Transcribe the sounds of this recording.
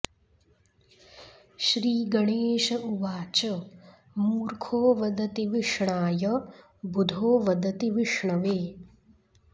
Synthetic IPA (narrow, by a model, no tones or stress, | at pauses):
ʃɾiːɡɐɳeːʃɐʔuʋaːt͡ʃɐ | muːɾkʰoːʋɐd̪ɐt̪iʋiʂɳaːjɐ | bud̪ʱoːʋɐd̪ɐt̪iʋiʂɳɐʋeː